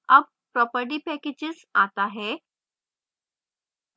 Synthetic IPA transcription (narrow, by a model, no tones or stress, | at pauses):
əb̚ | pɾɔpəɾʈ̬iːpɛked͡ʑɪzat̪aɦe